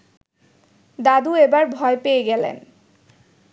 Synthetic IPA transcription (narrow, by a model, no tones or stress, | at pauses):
d̪ad̪uebaɾbʱɔepeeɡɛlḛn